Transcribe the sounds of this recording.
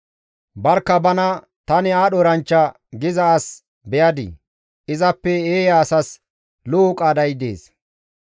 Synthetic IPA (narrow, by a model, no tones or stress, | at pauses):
bɐɾkːɐbɐnɐ | t̪ɐnɪaːɗɔɾɐnt͡ʃːɐ | ɡɪzɐːs | bɛjɐd̪ɪ̰ | ʔɪzɐpːɛeːjaːsɐs | loːkʼːaːd̪ɐjd̪ḛːs